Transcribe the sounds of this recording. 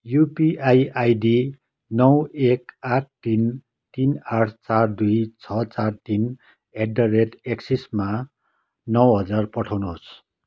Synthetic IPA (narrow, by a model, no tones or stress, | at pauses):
jupiajajɖi | nʌwekaʈ̚ʰt̪in | t̪inaʈʰt͡sard̪ujt͡sʰʌt͡sart̪in | eɖʌreʈeksisma | nʌwɦʌd͡zarpʌʈʰawnuɦos